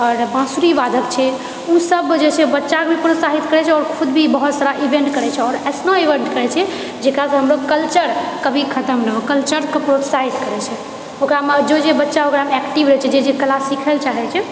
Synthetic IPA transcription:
ɔːɾbãsuɾibad̪ʱəkt͡ʃʰɛ | usəbd͡ʒet͡ʃʰɛbətːʃakebʱipɾot̪saɦit̪kəɾɛt͡ʃʰɛɔːɾkʰud̪bʱibəɦut̪saɾaʔibẽɳʈkəɾɛt͡ʃʰɛɔːɾəsnoiʋeɳʈkəɾɛt͡ʃʰɛ | d͡ʒekɾasɦəmɾokəlt͡ʃəɾkəbʱikʰət̪əmnəɦokəlt͡ʃəɾkepɾot̪saɦit̪kəɾɛt͡ʃʰɛ | okɾamed͡ʒod͡ʒebətːʃaokɾamɛkʈibɾɛɦt͡ʃʰɛd͡ʒed͡ʒekəlasikʰəlt͡ʃaɦɛt͡ʃʰɛ

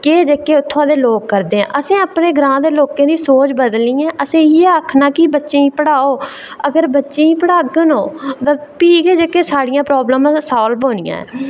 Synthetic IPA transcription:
keːd͡ʒəkːeːʊt̪ʰːãːd̪eːloːkːəɾd̪eːɛ̰̃ːʔəsẽːəpneːɡɾãːd̪eːloːkẽːd̪iːsoːt͡ʃbəd̪liːɛ̃ːʔəsĩːiaːkʰnaːkiːbətːʃeːĩːpəɽaːoː | əɡəɾbətːʃẽːĩːpəɽaːɡənoːt̪ãːpiːkeːd͡ʒəkːeːsaːɽɪjãːpɾɔːbləmãːsaːlpoːnɪjã̰ːɛ̰ː

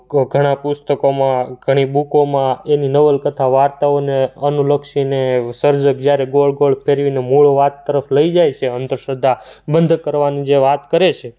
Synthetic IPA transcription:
ɡʱəɽ̃ãpust̪əkomãɡʱəɽ̃ibukomãeninəʋəlkət̪ʰaʋaɾt̪aoneənuləkʃinesəɾd͡ʒək̚d͡ʒjaɾeɡolɖɡoɭpʰeɾʋinemuɭʋat̪ːəɾəfləid͡ʒajt͡ʃʰeənt̪əɾʃəd̪ʱːabənd̪ʱkəɾʋanĩd͡ʒeʋat̪kəɾet͡ʃʰe

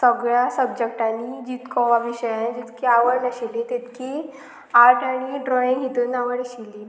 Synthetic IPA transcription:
səɡɭjasəb̚d͡ʑek̚ʈanid͡ʑit̪kʰɔʋaʋiɕəjãd͡ʑit̪kʰeaʋəɽnəɕilẽt̪et̪kʰi | aɾʈaɽ̃iɖɾɔĩŋɦit̪unaʋəɽəɕili

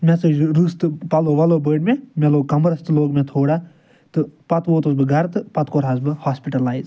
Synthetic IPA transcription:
mʲɛsed͡ʒɾust̪ɨpɐloːʋɐloːbəːɖmemeloːɡkɐmbɾɐst̪ɨloːɡmẽt̪ʰoːɽa | t̪ɨpɐt̪ʋoːt̪osbɨɡɐɾt̪ɨpɐt̪koːɾɦʰaːsbɨhaːspiʈɐlaːiz

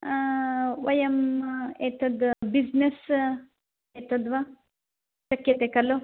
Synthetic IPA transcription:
ʋɐjɐmet̪ɐd̪biznes | et̪ɐd̪ʋa | sɐkjɐt̪ekɐlo

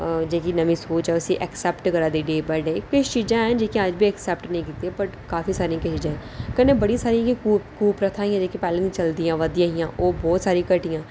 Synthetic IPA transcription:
d͡ʒeːkinəmʋĩːsoːt͡ʃɦɛːʊsiːʔɛksɛːpʈkəɾaːd̪iːɖeːbɛːɖeːkʊt͡ʃt͡ʃiːd͡ʒãːɦɛ̃d͡ʒeːkiãəd͡ʒbʱiːɛksɛːp̚ʈnəĩːkiːt̪eɛpəʈkaːfiːsaːɾĩjãkɪt͡ʃiːd͡ʒãːɦɛ̃kənẽːbəɽĩsaːɾiãkikuːkuːpɾət̪ʰaːɦĩjãːd͡ʒeːkipɛːlɪnit͡ʃəld̪ijãːʋəd̪ijãːɦɪjãːʔoːbɔːt̪saːɾĩːkəʈɪjãː

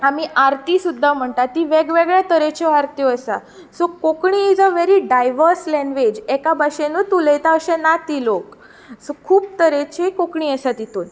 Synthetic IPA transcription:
amiːʔaɾt̪isud̪ʱːam̤əɳt̪at̪iʋeɡʋeɡɭat̪əɾet͡ɕjɔaɾt̪jɔəsa | sokokɳiːd͡zəʋeɾiɖajʋəɾslɛ̃nɡʋed͡ʑɛkabaɕenut̪uləjt̪aəɕẽnat̪ilok | sokʰuːb̚t̪əɾet͡ɕikokɳiəsat̪it̪uːn

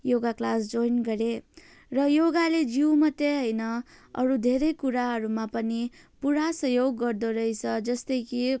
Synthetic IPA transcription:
joɡaklasd͡zojnɡʌɾe | rʌjoɡaled͡ziwmʌt̪ːeɦʌjnʌʌ̰ɾud̪ʱeɾʌjkuɾaɦʌɾumapʌni | puɾasʌjoɡːʌrd̪oɾʌjt͡sʰʌd͡zʌst̪ʌjki

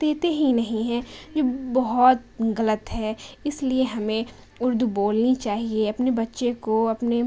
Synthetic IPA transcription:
d̪̥eːt̪eɦinɐɦĩɦɛ̃d͡ʒoːbɐɦɔt̪̚ɣɐlət̪ɦɛɪslieɦɐmẽ | ʊɾd̪ʱuboːlnit͡ʃaːɦieɐpnebɐtːʃekoɐpne

